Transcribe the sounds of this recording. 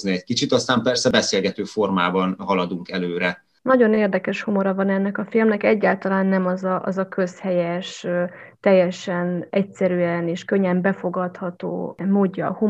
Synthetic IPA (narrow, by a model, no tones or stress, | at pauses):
zniɛc̚kit͡ʃit̪ɒst̪aːmpɛrsɛbɛseːlɡɛt̪øːformaːbɒnɦɒlɒd̪uŋkɛløːɾɛ | nɒɟo̞neːrd̪ɛkɛʃhomo̞ɾɒvɒnɛnːɛkɒfilmnɛkɛɟːaːlt̪ɒlaːnːɛmɒzɒʔɒzɒkø̞shɛjɛʃt̪ɛjːɛʃɛnɛcsɛɾyɛneːʃkøɲːɛmbɛfo̞ɡɒt̪hɒt̪o̰ːmoːɟːɒhu